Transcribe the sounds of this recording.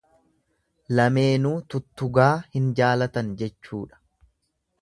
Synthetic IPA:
lɐme̞ːnuːt̪ʊt̪ːʊɡaːhɪnd͡ʒaːlɐt̪ɐnd͡ʒɛt͡ʃːuːᶑɐ̥

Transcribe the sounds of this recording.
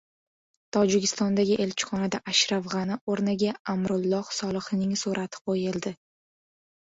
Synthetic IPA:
t̪ʰɒd͡ʒɪkʲɪ̥st̪ɒnd̪aɡʲɪʔe̞lt͡ʃʰɪ̥χɒnad̪aʔaʃɾafʁɑnɪoɾnɪɡʲaamɾʊlˠːɒhsɒlˠɨχnɪŋsuɾʔat̪ʰɪ̥qʰojɪlˠd̪ɪ

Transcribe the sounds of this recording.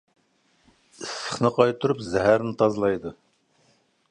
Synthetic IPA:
ɨsə̥χnɨqʰɑjt̪ʰuɾupzɛɦæɾnɪt̪ʰɑzlˠɑjd̪u

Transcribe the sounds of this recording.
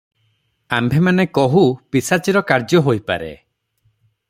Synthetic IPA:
ambʱemanekɔɦupisat͡ʃiɾɔkaɾd͡ʒjɔɦojpa̰ɾḛ

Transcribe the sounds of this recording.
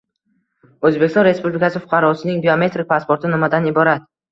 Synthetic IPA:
ɵzbe̞kʲɪst̪ɒnɾe̞spublɪkʲasɪfʊ̥qʰɑɾɒsɪnɪŋbiome̞t̪ɾɪk̚ʲpaspo̞ɾt̪ɪnɪmad̪anɪbɒɾat̪

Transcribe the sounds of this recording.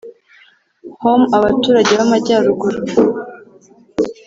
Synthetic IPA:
homaβatuːɾaɟeβamaɟaːɾuɡuɾa

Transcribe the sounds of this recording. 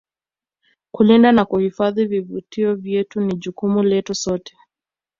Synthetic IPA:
kulindanakuhifaðivivutiɔvjɛtuniʄukumulɛtusɔtɛ̥

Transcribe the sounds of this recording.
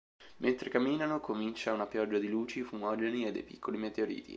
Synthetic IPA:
mʔent̪ɾekamːiːnanokomint͡ʃaunapjɔd͡ʒːad̪iluːt͡ʃifumɔːd͡ʒenied̪ːḛjpikʰːolimet̪eoɾḭːt̪ḭ

